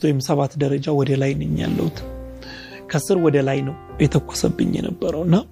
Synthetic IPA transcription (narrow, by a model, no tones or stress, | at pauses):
t̪wɔjɪmsəβat̪d̪əɾəd͡ʒawɔd̪əlajnɨɲːja̰lːə̰wut̪ | kʰəsɨɾwɔd̪əlajnəw | jɛt̪ʰəkʷːo̥səbːɨ̰ɲːɛ̰nə̰bːəɾəwɨnːa